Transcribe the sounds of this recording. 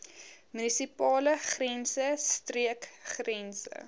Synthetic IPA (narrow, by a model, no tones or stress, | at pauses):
mynisipɑːləχrɛnsəstriəkχrɛnsə̰